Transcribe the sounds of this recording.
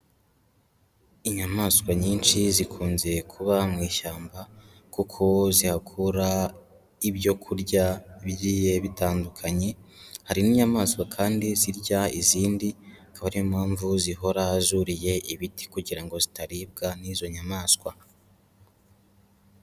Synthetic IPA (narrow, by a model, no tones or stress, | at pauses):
iɲamaskwaɲiːnʃizikʰuːnzekʰuβamŋiːʃaːmba | kukʰo̞zihakʰuɾa | ibjo̞kʰuɾɟaβjiːje̞βitaːndukʰaɲe̞haɾiniːɲamaːskwakʰaːndiziɾɟaiziːndiakaβaɾiimaːɱvuziɦo̞ɾaːzuɾije̞ʔiβiti̥kuɟiɾaŋɡo̞zitaɾib̚ɡanizo̞ɲamaːskwa